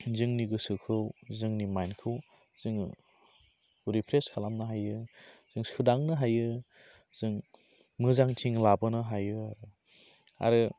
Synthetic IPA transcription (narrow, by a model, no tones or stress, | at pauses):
zɯŋniɡɯsɯkʰɯwzɯŋnimajnkʰɯw | z̥ɯŋ | ɾipʰɾeskʰalamnɯɦajɯz̥ɯŋsɯdaŋnɯɦajɯ | z̥ɯŋ | mɯzaŋtʰiŋlabɯnɯɦajɯaɾɯ | a̰ɾɯ